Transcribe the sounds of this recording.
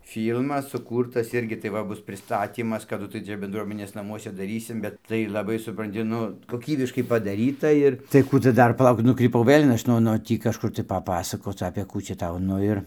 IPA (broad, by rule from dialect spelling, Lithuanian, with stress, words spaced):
ˈfʲiːlˠmɐs sʊˈkuːrtɐs ˈɪrʲɡʲɪ tɐɪ ˈʋɐ ˈbʊs pʲrʲɪˈstɑːtʲiːmɐs kɐˈdʊ tɐɪ ˈt͡ʃʲɛ bʲɛndˈruɔmʲɛnʲeːs nɐˈmuɔsʲɛ dɐˈrʲiːsʲɪm ˈbʲɛt ˈtɐɪ lˠɐˈbɐɪ sʊprɐnʲˈtʲɪ ˈnʊ koːˈkʲiːbʲɪʃkɐɪ pɐdɐˈrʲiːtɐ ɪr tɐɪ ˈkuː tʊ ˈdɐr pɐˈlˠɐʊk nʊkrʲiːˈpɐʊ ˈʋɘlʲ ˈɐʃ noː noː ˈtʲiː kɐʃˈkʊr tɐɪ pɐˈpɑːsɐkoːt͡s ɐpʲeː ˈkuː t͡ʃʲɛ ˈtɐʊ ˈnʊ ɪr